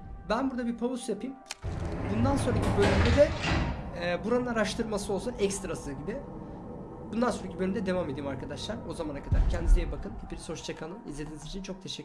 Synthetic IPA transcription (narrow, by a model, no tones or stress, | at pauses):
bænbuɾd̪abiɾpʰavusjapʰijmbund̪ansoɾacʰibølʲymd̪ʲɛd̪ɛ | buɾanɯnaɾaʃt̪ʰɯɾmasɯolˠsunʔɛkst̪ɾasɯɟibɪ | bund̪ansonɾacʰibølʲymd̪ɛd̪e̞vamed̪iːimaɾkʰad̪aʃlˠaɾo̞zamanakʰad̪aɾcʰɛnd̪izejɛbakʰɯnt̪ʰibiɾso̞t͡ʃt͡ʃʰakʰanˠɯnḭzlʲe̞d̪iːnizit͡ʃʰint͡ʃʰo̞k̚t̪ʰe̞ʃɛkː